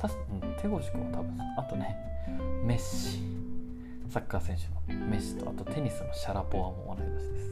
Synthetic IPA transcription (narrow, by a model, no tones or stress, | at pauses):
t̪aɕĩ̥t̪ʰe̞ɡo̞ʑi̥kɯ̟mot̪ʰabɯ̟̃at̪o̞ne̞ | meɕi̥ | sakːasẽ̞ɰ̃ɕɨ̥nome̞ɕːi̥t̪o̞a̰t̪o̞t̪ʰe̞ɲ̟isɨnoɕaɾapo̞amo̞βa̰ɾaiɾaɕid̪e̞sɨ̥